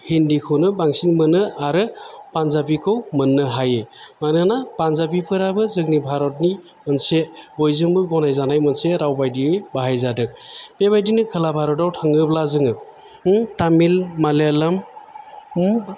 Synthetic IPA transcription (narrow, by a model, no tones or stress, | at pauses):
hindikʰɯnɯbaŋsinmɯnɯaɾɯpanzabikʰɯwmɯnːɯɦajemanɯnapanzabipʰɯɾabɯzɯŋnibʱaɾɔt̚ni | mɯnsebojzɯŋbɯɡɔnajzanajmɯnseɾawbajdiebaɦajzadɯk̚pebajdinɯkʰɯlabʱaɾɔtawtʰaŋɯblazɯŋɯ | tamilmalelam